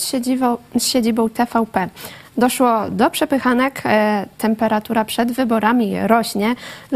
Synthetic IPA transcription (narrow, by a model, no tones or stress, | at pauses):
sɕed͡ʑibɔ̃w̃t̪ɛfawpɛd̪ɔʂwɔd̪ɔpʂɛpɘxanɛkt̪ʰɛmpɛɾat̪uɾapʂɛd̪vɘbɔɾamʲiɾɔɕɲɛ